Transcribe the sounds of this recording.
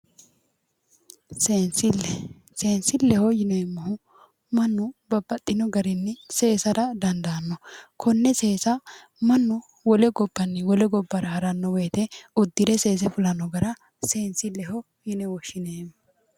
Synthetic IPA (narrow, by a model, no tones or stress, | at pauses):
sensɪlɛ | se̞ːnsɪlɛhɔjɪneːmːɐhʊ | mɐnːʊbɐbːɐt̪ʼːɪnɔɡɐɾɪnːɪse̞ːsɐɾɐd̪ɐnd̪ɐnːɔkʰɔnːɛse̞ːsɐ | mɐnːʊ | wɔlɛɡɔbːɐnːɪwɔlɛɡɔbːɐɾɐhɐɾɐnːɔwe̞ːt̪ɛɔd̪ːɪd̪ɛse̞ːs̬ɛfʊlɐnːɔɡɐɾɐ | se̞ːnsɪlɛɦɔ | jɪnɛwɔʃːɪneːmː